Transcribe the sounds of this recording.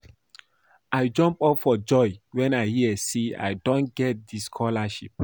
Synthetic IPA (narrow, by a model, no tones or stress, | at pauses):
ʔaɪd͡ʒʌ̃mpɔpfɔd͡ʒɔɪwɛ̃naɪhiesia̰jdõnɡɛt̚diskʰɔlaʃip̚